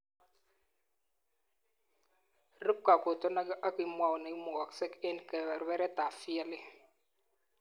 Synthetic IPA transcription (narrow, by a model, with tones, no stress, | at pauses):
ɾə˦p̚ka˨ko˨tɔ˦na˦ɡʔa˦ki˨mwa˨wna˨i˦mo˨wa˨ksɛ˦kɛ˦nkɛ˨wɛ˨ɾwɛ˦ɾɛ˦ta˨fi˦a˦lɪ˦